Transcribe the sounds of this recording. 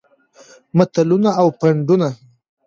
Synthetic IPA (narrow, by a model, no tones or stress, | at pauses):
mat̪alunaːwpaɳɖuna